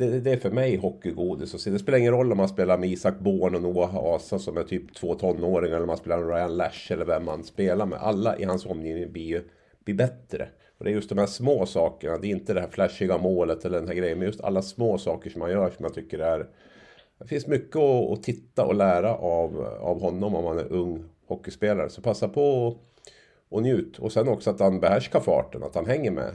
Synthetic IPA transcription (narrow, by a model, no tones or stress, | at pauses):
d̪ɛd̪ɛːɾfœɾmɛjɦɔkːɪɡuːd̪ɪsɔseːd̪ɛspeːlaɾɪŋːənɾɔlːɔmhanspeːlaɾmɛiːsak̚ːboːnɔnuːaɦa̰ʔɑːsasɔmæt̪ʰyːpt̪ʰv̥oːt̪ʰɔnːoːɾɪŋaɛlːɾɔmanspeːlaɾɛnɾaɪanlæʂɛlːəɾvɛmːanspeːlaɾmɛ̰ʔa̰lːaʔɪ̰hansɔmːjiːvnɪŋbliːjɵ | b̥libɛt̪ːɾə̰ | ɔd̪ɛæɾjɵst̪̚d̪ɔmhæːʂmoːsɑːkəɳad̪ɛɪnt̪əd̪ɛhæːɾflæʂːɪɡamoːlət̪ɛlːəɖɛnɦæɾɡɾɛjənmɛnjɵst̪ʰa̰lːasmoːsɑːkəʂɔmhanjœːʂɔmːant̪ʰʏkːəɾɛæɾ | d̪ɛfɪnsmʏkːəɔ̰ːt̪ʰɪt̪ːaʔɔlæːɾaʔava̰vɦɔnːɔmɔmhanæ̰ɾʔɵŋːhɔkːɪspeːlaɾə̰sɔpʰasːapʰɔ | ɔnjʉ̟ːt̪ɔsɛnːɔksɔat̪hanbɛhæʂkaɾfɑ̰ːʈəna̰t̪hanɦɛŋːəɾmɛ̰